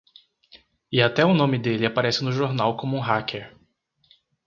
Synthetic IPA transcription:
ɪat̪ɛʊnõmɪd̪elɪapaɾɛsɪnʊʒoɾnawkõmʊũɦakeɾ

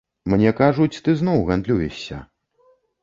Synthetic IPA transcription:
mnʲɛkaʐut͡sʲt̪ɨznɔwɣand̪lʲujɛʂʲːɐ̰

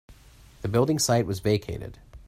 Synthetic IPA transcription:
ðɨbɪlˠdɪ̃ŋsaɪt̚wʌzveɪkʰeɪɾɨ̰d̥

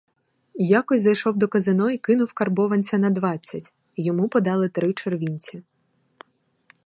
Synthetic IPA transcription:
jakɔsʲzɐjʃɔwd̪ɔkɐzɪnɔikɪnʊwkɐrbɔʋɐnʲt͡sʲɐnɐd̪ʋɑt͡sʲːɐtʲ | jɔmupɔd̪ɑlˠɪt̪ɾɪt͡ʃerʋʲinʲt͡sʲi

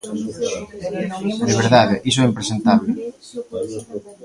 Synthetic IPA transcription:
d̪eβ̞eɾðaðeʔisoɛimpɾesent̪aβlɪ

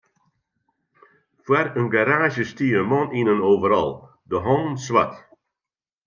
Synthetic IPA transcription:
fwaɾənɡaɾaːʒəstiəmɔninənowvəɾɔ̰lˠ | dəɦɔnswa̰t

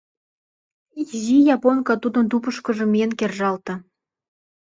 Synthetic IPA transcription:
iʒijɑponkɑt̪ud̪ənt̪upəʃkə̆ʒə̆mienkerʒɑlt̪ɤ̆

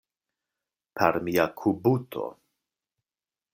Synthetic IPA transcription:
pʰaɾmiakʰubutʰo̞̰

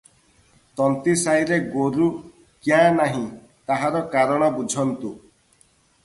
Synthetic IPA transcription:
t̪ɔnt̪isajɾeɡoɾu | kjãnaɦĩ | t̪aɦaɾɔkaɾɔɽ̃ɔbud͡ʒʱɔnt̪u

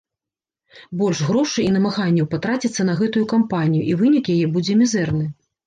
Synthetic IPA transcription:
bɔlʲʂɣɾɔʂɨinɐmaɣanʲːɛwpat̪ɾat͡sʲit̪sːɐnɐɣɛt̪ujukampanʲijuʔivɨnʲikjajɛbud͡zʲɛmʲɛzɛrnɨ

